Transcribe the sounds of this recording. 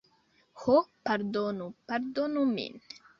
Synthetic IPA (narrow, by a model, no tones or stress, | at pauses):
hopaɾd̪onupaɾd̪onumḭn